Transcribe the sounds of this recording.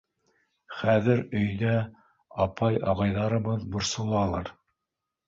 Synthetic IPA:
χæðɘɾɵ̆jðæ | ɑpɑjɑʁɑjðɑɾɤ̆βɤðbŏɾsŏlˠɑlˠɑɾ

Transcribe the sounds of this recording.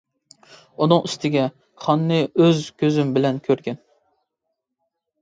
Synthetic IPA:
unɨŋyst̪ʰɪɡʲɛ | χɑnːɨøzkʲʰøzymbɪlɛnkʲʰøɾɡʲɛn

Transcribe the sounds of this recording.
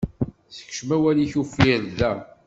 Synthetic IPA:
θə̥kʃmæwæliçufiɾðæ

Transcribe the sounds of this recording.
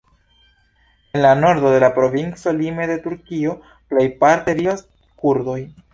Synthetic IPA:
e̞nlano̞ɾdo̞de̞lapɾo̞vint͡so̞lime̞de̞tuɾkio̞ | plejpaɾteɾias | kuɾdo̞j

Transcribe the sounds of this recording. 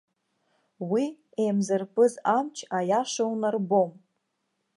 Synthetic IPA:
wi | ejmzɨrpʰʼɨzamt͡ʃʰajaʂawnarbom

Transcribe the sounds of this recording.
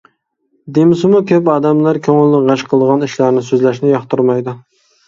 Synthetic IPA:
d̪emɪsɨmukʲʰøpɑːd̪ɛmlˠɑɾkʲʰøŋɪlnɪʁɑʃqʰəlˠd̪əʁɑniʃlɑɾnɪsøzlæʃnɪjɑχt̪uɾmɑjd̪u

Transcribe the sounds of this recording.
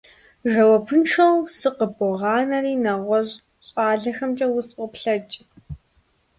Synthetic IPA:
ʒɐwɐpʰɨnʈ͡ʂʰɐwsɨqəbʊʁɑːnɐriːnɐʁʷɔʑ | ɕʼɑːɮɐxɐmt͡ʃʼɐwʊsʷʼɔpɬɐt͡ʃʼ

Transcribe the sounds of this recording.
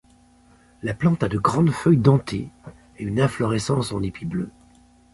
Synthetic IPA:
laplɑ̃t̪ad̪əɡʁɑ̃d̪fœjd̪ɑ̃t̪ʰḛ | eynɛ̃flɔʁɛsɑ̃sɑ̃nepʰiblø

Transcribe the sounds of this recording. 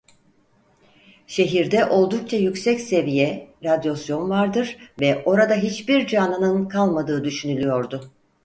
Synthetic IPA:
ʃe̞ɦiɾd̪ɛʔo̞lˠd̪uk̚t͡ʃʰajycsɛcse̞vijɛɾad̪jo̞sjo̞nvaɾd̪ɯɾ̥vɛʔo̞ɾad̪aɦit͡ʃbiɾd͡ʒaːnɯnɯnkʰalˠmad̪ɯːd̪yʃynylʲyjo̞ɾd̪ʊ

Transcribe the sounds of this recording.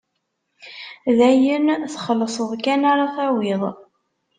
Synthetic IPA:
ðæjənθχəlːəsˤəðˤkænaɾˤaθæwɪðˤ

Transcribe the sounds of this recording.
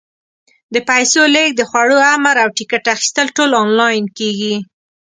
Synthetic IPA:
d̪əpajsoleɡ̚d̪əxwaɽoamaɾawʈikaʈaxi̥st̪əlʈolɑnlɑjnkeɡi

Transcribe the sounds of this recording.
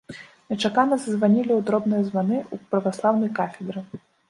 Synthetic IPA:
nʲɛt͡ʂakanɐzɐzvanʲilʲiud̪ɾɔbnɨjɐzvanɨupɾɐvaslˠawnɐjkafʲɛd̪ɾɨ

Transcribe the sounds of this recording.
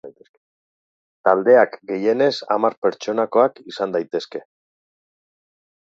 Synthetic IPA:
t̪eske | t̪ald̪e̞akɡe̞je̞ne̞sa̰maɾpe̞ɾt͡ʃo̞nako̞akisand̪ajt̪e̞ske̞

